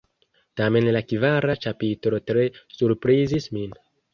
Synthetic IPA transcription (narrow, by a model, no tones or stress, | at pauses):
tame̞nlakivaɾat͡ʃapitɾo̞tɾe̞suɾpɾizismin